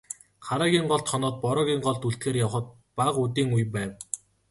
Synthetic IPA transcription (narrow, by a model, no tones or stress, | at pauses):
χaɾaːɣʲiːŋɢɔɮt̪χɔnɔːt̪̚pɔɾɔːɣʲiːŋɢɔɮt̪uɬt̪xeːrjawχə̆t̪̚ | paqut̪̬iːŋujpæːw